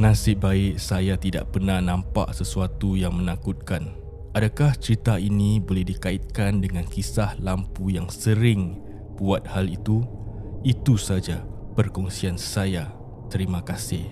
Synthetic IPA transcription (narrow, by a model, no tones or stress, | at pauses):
nãsɪbaɪʔsajat̪ida̰ʔpənahnãmpa̰ʔsəsuat̪ujaŋmə̃nakut̪̚kan | adakaht͡ʃəɾit̪ainibolɛhdikaɪt̪̚kandəŋãnkisahlampujaŋsəɾɪŋ | buat̪̚halit̪uit̪usad͡ʒapərkɔŋsiansaja | t̪əɾimãkasɪh